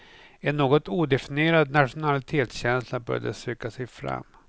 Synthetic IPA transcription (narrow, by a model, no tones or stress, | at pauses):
ɛnːoːɡɔt̪uːd̪ɛfɪneːɾad̪naʂʊnalɪt̪ʰeːt̪sɕɛnslabœ̰ːɾɖəsʏːkasɛjfɾa̰mː